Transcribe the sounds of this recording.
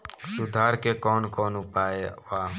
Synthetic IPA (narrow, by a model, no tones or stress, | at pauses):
sʊd̪ʱaːɾkekoːnkoːnʊpaːeʋaː